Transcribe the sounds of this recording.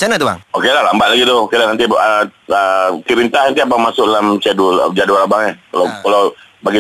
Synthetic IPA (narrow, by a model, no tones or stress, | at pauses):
t͡ʃanat̪uba̰ŋokelalambaʔlaɡit̪ʊkadanant̪iəəkiɾint̪ahnant̪iabaŋmasʊk̚dalamt͡ʃadṵd͡ʒadualabaŋɲakalakalo | baɡi